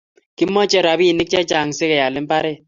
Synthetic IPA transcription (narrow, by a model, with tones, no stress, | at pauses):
ki˦mːɔ˦t͡ʃɛ˦ɾa˨bi˦i˨nɪ˦k̚t͡ʃɛ˦t͡ʃa˨ŋ˨sɪ˦kɛ˨ja˨lɪ˦m̩˦pa˦ɾɛ˦